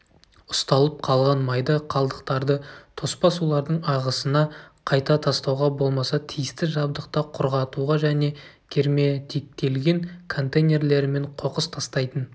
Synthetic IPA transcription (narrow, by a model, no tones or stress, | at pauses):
ʊst̪ɑlˠəp̚qʰɑlˠʁɑnmɑjd̪əqʰɑlˠd̪əqt̪ɑɾd̪ət̪ʰo̞spɑsulˠɑɾd̪əɴɑʁəsənɑqʰɑjt̪ɑt̪ʰɑst̪ɑwʁɑbo̞lˠmɑsɑt̪ʰijɪst̪ɪʒɑb̚d̪əq̚t̪ɑqʰʊɾʁɑt̪uʁɑʒæne̞kʲʰe̞ɾme̞t̪ʰek̚t̪e̞lɡʲe̞ŋkʰo̞nt̪ejnʲe̞ɾle̞ɾɪme̞ɴqʰo̞qəst̪ʰɑst̪ɑjt̪ən